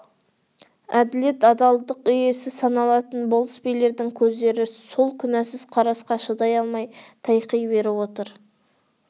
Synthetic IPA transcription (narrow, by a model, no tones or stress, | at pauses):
æd̪ɪle̞t̪ɑd̪ɑlˠd̪əqʏje̞sɪsɑnɑlˠɑt̪ənbolˠəspejle̞ɾd̪ɪŋkʲʰɵzd̪e̞ɾɪso̞lˠkʲʰʏnæsɪzqʰɑɾɑsqɑʃəd̪ɑjɑlˠmɑjt̪ʰɑjqijbe̞ɾɪwo̞t̪əɾ